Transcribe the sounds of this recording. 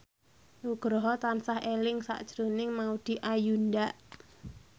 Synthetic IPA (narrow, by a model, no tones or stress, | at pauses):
uɡ̥ɾɔɦɔt̪ansahelɪŋsa̰ʔd̥ʒ̥ɾonɪŋmaud̪̥i̤ʔajundaʔ